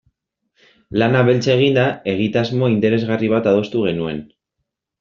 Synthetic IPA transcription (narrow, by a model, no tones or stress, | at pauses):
lanaβe̞lt͡saeɣ̞ind̪ae̞ɣ̞it̪azmo̞int̪e̞ɾe̞zɣariβ̞at̪að̞o̞st̪uɣ̞e̞nue̞n